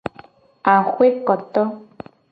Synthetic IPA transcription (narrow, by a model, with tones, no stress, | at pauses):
a˨xʷe˦kɔ˨t̪ɔ˦